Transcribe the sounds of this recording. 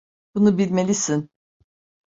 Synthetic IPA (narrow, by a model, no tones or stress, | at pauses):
bunubilʲme̞lʲisin